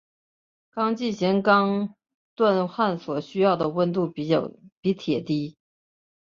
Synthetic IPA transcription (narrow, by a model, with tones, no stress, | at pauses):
kɑ˥ŋt͡ɕi˥˩ɕɛ˧˥ŋkɑ˥ŋ | t̪wa˥˧nxwa˥˩nswɔ˨˩ɕy˥jɑ˥˩ʊd̪ə˩wə˥˧nt̪u˥˩˥pi˧˥t̪ʰjɛ˨˩t̪i˥